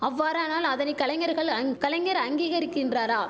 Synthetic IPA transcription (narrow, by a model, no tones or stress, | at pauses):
ɐʋːaːɾaːnaːlɐðɐnɛɪkːɐlɐŋɐɾɣɐɭkɐlɐŋɐɾɐŋɡiːɣɐɾɪkːɪndraːɾaː